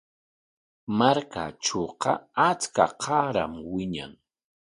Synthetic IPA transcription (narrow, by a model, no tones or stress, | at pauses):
maɾka̰ʈ͡ʂoːqɑat͡skaqʰɑɾamwɪɲa̰ŋ